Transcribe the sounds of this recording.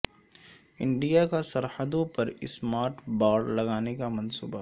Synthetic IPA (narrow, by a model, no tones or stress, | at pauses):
ɪ̃ɳɖijakasɐɾħəd̪õpɐɾɪsmaːɾʈbaːɖlɐɡaːnekamɐnsuːba